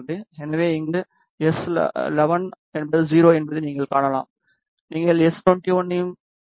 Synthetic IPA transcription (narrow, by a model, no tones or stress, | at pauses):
ðɯɛnɐʋeːɪŋɡɐ | ɛslɛʋɐn | ɛnbɐðɯd͡ʒiːɾoːɛnbɐðɯniːŋɡɐɭkaːɳɐla̰ːm | niːŋɡɐɭɛst̪ɔnʈiʋɐnːɪjɯm